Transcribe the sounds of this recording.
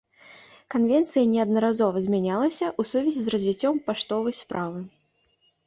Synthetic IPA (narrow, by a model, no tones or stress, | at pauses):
kanvʲɛnt̪sɨjɐnʲɛɐd̪nɐɾazɔvɐzʲmʲanʲalˠɐsʲɐʔusuvʲɛzʲizrɐzʲvʲit͡sʲːɔmpaʂt̪ɔvɐjspɾʔavɨ